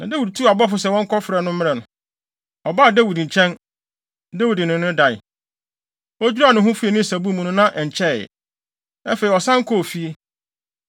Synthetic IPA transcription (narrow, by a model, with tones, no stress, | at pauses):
nã˨de˦wi˨d̚tʰu˦a˨bɔ˦fʊ˨s̬ɛ˨wɔ̃˦ŋ̩˦kʰɔ˦fɾɛ˨nʊ̃˦mɪ̃˦ɛ˨nʊ̃˨ | ɔ˨ba˦˨de˦wi˨dɲ̩˨t͡ɕʰɛ̃˦n | de˦wi˨dɪ˨nɪ̃˨nʊ̃˦da˨ɪ̰˨ | ɔ˦d͡ʑᶣu˦ɾa˨nʊ̃˨ɦʊ̃˦fu˦e˨nĩ˦˨sa˨bu˦mũ˨nʊ̃˦nã˦ʔɛ˨ɲ̩˨t͡ɕʰɛ˦˨jɛ̰˨ | ɛ˦fe˨i˨ɔ˨sã˦ŋ˦kʰɔ˦o˨fi˦e˦